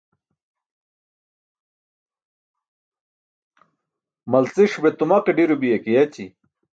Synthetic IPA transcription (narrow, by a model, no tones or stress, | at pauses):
mɐlt͡siʂbet̪umɐqiɖiɾubijɐkijɐt͡ɕi